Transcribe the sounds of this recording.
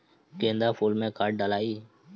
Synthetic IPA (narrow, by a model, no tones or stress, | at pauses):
kẽːnd̪aːfuːlmẽːkaːʈ̚ɖəlaːiː